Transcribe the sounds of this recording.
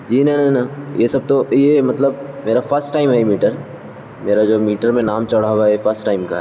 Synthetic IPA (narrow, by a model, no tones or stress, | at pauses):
d͡ʒiːnɐnɐnajesɐb̚t̪ojemɐt̪ləbmeːɾafʰəɾsʈaːɪmɦɛemiːʈəɾ | meːɾad͡ʒoːmiːʈəɾmẽnaːmt͡ʃɐɽ̤aːwaefʰəɾsʈʈaːɪmka